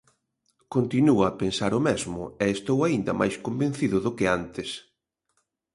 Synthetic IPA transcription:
kont̪inuaapensaɾʊmɛzmʊ̰ɛest̪owaind̪ɐ̰mʔa̰jskombẽnθiðʊðʊkɪant̪ɪs

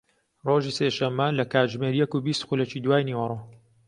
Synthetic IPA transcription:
roːʒiːseːʃɐmːɐlɐkaːd͡ʒmeːɾjɛkubist̪xulɐt͡ʃiːd̪waːjniwɐɾˤo

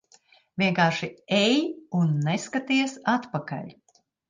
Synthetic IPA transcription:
vʲiɛŋkaːɾʃiɛjunːeskat̪iɛsat̪paka̰lʲ

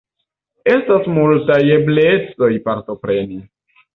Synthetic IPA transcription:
e̞stasmultaje̞blet͡so̞jpaɾto̞pɾe̞ni

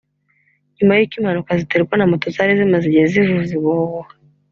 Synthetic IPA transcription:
ɲumajikimanukaziteɾikwanamutozaɾizimaziɟezivuziβowa

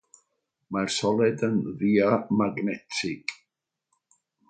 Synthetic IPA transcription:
marsɔlˠɛdənðiamaɡnɛtʰɪɡ̥

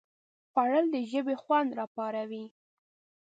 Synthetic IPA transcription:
paɽəld̪əʒəbexwand̪ɾɑpɑɾawi

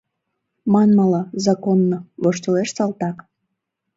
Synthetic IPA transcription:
mɑnmɑlɑzɑkonːoβoʃt̪oleʃsɑlt̪ɑk

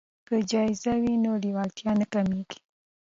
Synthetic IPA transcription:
kəd͡ʒɑɪzawinoliwɑlt̪jɑnakameɡi̥

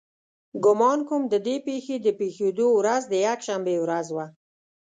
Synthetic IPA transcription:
ɡʊmɑnkʊmd̪əd̪epexed̪əpexed̪owɾazd̪əjakʃambewɾazwa

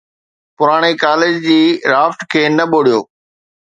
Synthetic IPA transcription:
pʊɾaːɽ̃ekaːlɪd͡ʑd͡ʑiːɾaːfʈkʰeːnɐɓoːɽijoː

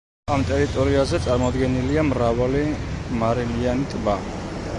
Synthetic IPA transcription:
amt̪ʼɛɾit̪ʼɔɾiazɛt̪sʼaɾmɔd̪ɡɛniliamɾavalimaɾilianit̪ʼba

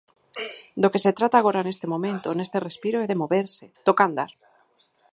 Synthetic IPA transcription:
d̪okeset̪ɾat̪aːɣ̞oɾane̞st̪emõmẽnt̪onest̪erespiɾoeðemoβeɾset̪okand̪a̰ɾ

